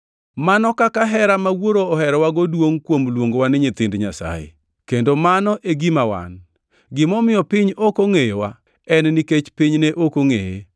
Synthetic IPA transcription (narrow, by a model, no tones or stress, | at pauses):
manɔkakaɦɛɾamawoɾoːhɛɾɔwaɡodwoŋkwomlwoŋɡowanɪɲɪt̪ɪndɲasa̰jḛ | kendomanɔʔeɡimawa̰n | ɡɪmɔmɪjɔpɪɲokoŋejewa | ɛnniket͡ʃpiɲneʔokoŋeje